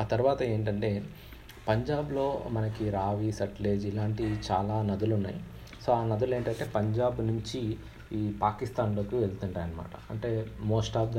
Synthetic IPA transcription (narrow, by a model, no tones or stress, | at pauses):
aːt̪ɐɾuʋaːt̪ɐe̞ːɳʈɐɳʈe̞ː | pɐɲd͡ʒaːblo̞ːmɐnɐkiɾaːʋisɐʈle̞ːd͡ʒilaːɳʈit͡ʃaːlaːnɐd̪ulunːa̰ːji | so̞ːaːnɐd̪ule̞ːɳʈɐɳʈe̞ːpɐɲd͡ʒaːbnuɲt͡ʃiː | paːkist̪aːnlo̞ːkiʋelt̪uɳʈaːjɐnɐma̰ːʈɐɐ̰ɳʈe̞ːmoːsʈaːb̚d̪